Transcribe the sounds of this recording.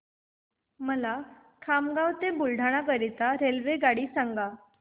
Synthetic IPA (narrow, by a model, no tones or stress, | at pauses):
məla | kʰamɡawt̪ebulɖʱaɽ̃ak̬əɾit̪aɾelʋeɡaɽiːsaŋɡa